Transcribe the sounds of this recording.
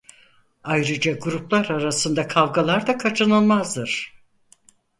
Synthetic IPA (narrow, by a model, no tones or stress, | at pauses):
ajɾɯd͡ʒaɡuɾuplˠaɾaɾasɯnd̪akʰavɡalˠaɾd̪akʰat͡ʃʰɯnɯlˠmazd̪ɯɾ̥